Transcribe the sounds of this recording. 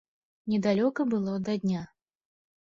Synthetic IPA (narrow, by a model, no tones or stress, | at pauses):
nʲɛd̪alʲɔkɐbɨlˠɔd̪ɐd̪ʲnʲa